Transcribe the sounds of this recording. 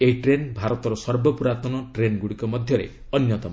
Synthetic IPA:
eɦiʈɾenbʱaɾɔt̪ɔɾɔsɔɾbɔpuɾat̪ɔnɔʈɾenɡuɽikɔmɔd̪ʱjɔɾḛ | ɔnjɔt̪ɔm

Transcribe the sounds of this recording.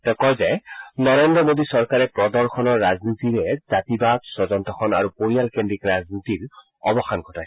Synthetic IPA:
tɛkɔɹzɛnɔɹendɹɔmodisɔɹkaɹɛpɹɔdɔɹxʰɔnɔɹːaznit̪iɹɛzatibadsɔzɔnt̪ɔxʰɔna̰ɹupoɹijalkendɹikɹaznit̪iɹ | ɔbɔxankʰɔtaj

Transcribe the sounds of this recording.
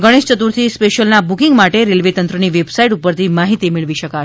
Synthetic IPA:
ɡəɽ̃eʃt͡ʃət̪uɾt̪ʰispeʃəlnabukiŋɡmaʈeɾelʋet̪ənt̪ɾəniʋebsaiʈupəɾt̪ʰimaɦit̪imɪɭʋiʃəka

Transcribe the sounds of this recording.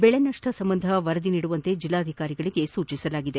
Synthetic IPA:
bɛɭenɐʂʈʰɐsɐmbɐnd̪ʱɐʋɐɾɐd̪iniːɽuʋɐnt̪e̞d͡ʒilːaːd̪ʱikaːɾiɡɐɭiɡe̞suːt͡ʃisɐlaːɡid̪e

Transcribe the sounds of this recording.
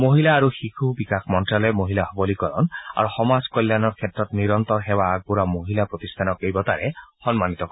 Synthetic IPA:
moɦilaːɾuxikʰubikakʰmɔnʈɾalemoɦilaɦɔbɔlikɔɾɔna̰ɾuxɔmad͡ʒkɔjlːjanɔɾkʰet̪ɾɔt̪niɾɔnt̪ɔɾɦebaːɡ̚buɾamoɦilapɾot̪ist̪ʰanɔkejbɔt̪aɾehɔnmanit̪ɔkɔ

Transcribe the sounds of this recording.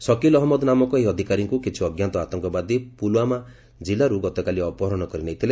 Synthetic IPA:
sɔkilɔɦmɔd̪namɔkɔeɦiɔd̪ʱikaɾiŋkukit͡ʃʰiɔɡjant̪ɔat̪ɔŋkɔbad̪ipulama | d͡ʒilaɾuɡɔt̪ɔkaliɔpɔɦɔɾɔñɔkɔɾinaj̃t̪ʰile

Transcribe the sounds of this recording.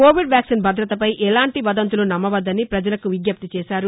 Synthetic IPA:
ko̞ːʋiɖʋjaːksinbʱɐd̪ɾɐt̪ɐpɐjʔɛlaːɳʈiʋɐd̪ɐnt̪̬ulunɐmːɐʋɐd̪ːɐnipɾɐd͡ʒɐlɐkuʋiɡjɐp̚t̪it͡ʃɛːsaːɾu

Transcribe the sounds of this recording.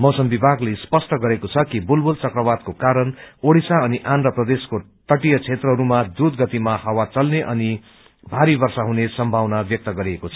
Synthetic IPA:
mʌwsʌmbibʱaɡlespʌsʈʌɡʌɾekot͡sʰʌkibulbult͡sʌkrʌbad̪̚kokaɾʌnoɽisaʌniʔanrʌprʌd̪esko | ʈ̪ʌʈijʌt͡sʰet̪rʌɦʌɾumad̪ud̪ɡʌt̪imahʌwat͡sʌlneʔʌni | bʱaɾibʌrsaɦunesʌmbʱawnabjʌk̚t̪ʌɡʌɾiekot͡sʰʌ̥

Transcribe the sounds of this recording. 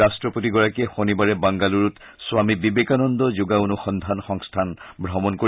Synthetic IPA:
astɹɔpotiɡɔɹakiɛxonibaɹɛbaŋɡaluɹut | sʊwamibibekanɔnd̪ɔzʊɡaunʊxɔnd̪ʱanxɔŋstʰanbʱɹɔmɔnko

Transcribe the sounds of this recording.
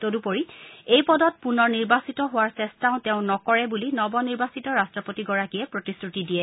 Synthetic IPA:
todupoɹiejpɔdɔt̚punɔɹniɹbasitɔɦʊwaɹsɛstaʊ̃teʊ̃nɔkɔɹɛbulinɔbɔniɹbasitɔɹastɹɔpotiɡɔɹakijɛpɹotisɹutidijɛ

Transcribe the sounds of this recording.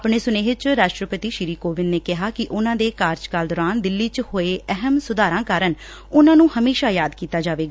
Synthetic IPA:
pɳeːsʊneːɦɪt͡ʃɾaːʃʈɾəpət̪iːʃɪɾiːkoːʋɪnːeːkɪɦaːkɪʔʊnãːd̪eːkaːɾd͡ʒkaːld̪ɔːɾaːnd̪ɪlːiːt͡ʃhoːeːʔɛɦəmsʊd̪aːɾãːkaːɾən | ʊnãːnũːhəmeːʃaːjaːd̪kiːt̪aːd͡ʒaːʋeːɡa

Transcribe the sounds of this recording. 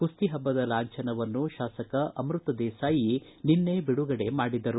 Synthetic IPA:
pust̪iɦɐbːɐd̪ɐlaːɲt͡ʃɐnɐʋɐnːuʃaːsɐkɐʔɐmɾut̪ɐd̪ɛːsaːji | ninːe̞biɽuɡɐɽe̞maːɽid̪ɐɾu

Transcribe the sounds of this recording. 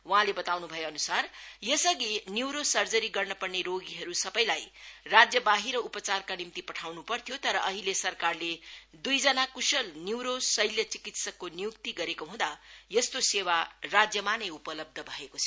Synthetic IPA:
waɦãlebʌt̪awnubʱʌjoʌnusarjʌsʌɡinjiwɾosʌrd͡zʌɾiɡʌrnʌpʌrneɾoɡiɦʌɾusʌbʌj̃lajrad͡zjʌbaɦiɾʌupʌt͡sarkanimt̪ipʌʈʰawnupʌrt̪ʰijot̪ʌɾʌʔʌɦilesʌrkarled̪ujd͡zʌnakusʌlnjuwɾosʌjljʌt͡sikit̪sʌkːonijukt̪iɡʌɾekoɦũd̪ajʌst̪osewarad͡zjʌmanʌjupʌlʌb̚d̪ʱʌbʱʌekot͡sʰ

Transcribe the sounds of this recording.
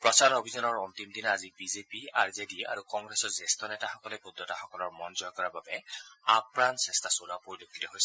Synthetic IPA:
pɹɔsaɹobʱizanɔɹɔntimdinazibizepiaɹzedia̰ɹukɔŋɡɹɛsɔɹzestʰɔnɛtaxɔkɔlɛpudːɔtaxɔkɔlɔɹmɔnzɔjɔkɔɹababɛapɹansɛstʰasolapoɹilokʰːi̥tɔɦojsɛ

